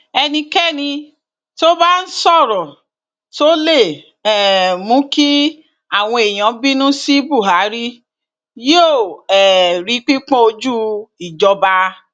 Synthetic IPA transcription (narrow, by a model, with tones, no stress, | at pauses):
ɛ˧nĩ˧kɛ˦˨nĩ˧ | to˦ba˦n̩˦sɔ˦˨ɾɔ̃˨ | to˦le˦˨ | ɛ˨mũ˨˦ki˦ | a˦˨w̃ɔ̃˧e˨j̃ɔ̃˨˦bi˦nũ˦si˦bu˦˨ɦa˨˦ɾi˦ | je˦o˦˨ɛ˨ɾi˨˦k͡pi˦k͡pɔ̃˦o˧d͡ʒu˦i˨d͡ʒɔ˧ba˧